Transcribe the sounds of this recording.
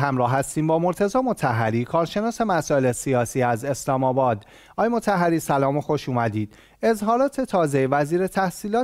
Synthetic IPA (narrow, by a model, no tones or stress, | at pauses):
hæmɾɒːɦæst̪iːmbɒːmo̞ɾt̪ʰe̞zɒːmo̞t̪ʰæɦːæɾiːkʰɒːɾʃe̞nɒːse̞mæsɒːe̞lesiɒːsiːæze̞slɒːmɒːbɒːd̪ | ʔɒːjemot̪ʰæɦːæɾiːsælɒːmoxo̞ʃuːmæd̪iːd̪̥ | e̞zhɒːɾɒːt̪ʰe̞t̪ʰɒːzevæziːɾe̞t̪ʰæhsiːlɒː